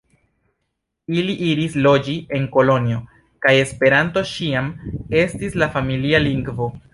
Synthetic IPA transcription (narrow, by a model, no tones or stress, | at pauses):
iliʔiɾislo̞d͡ʒie̞ŋko̞lo̞nio̞ | kaje̞spe̞ɾanto̞ʃiame̞stislafamilialiŋɡvo̞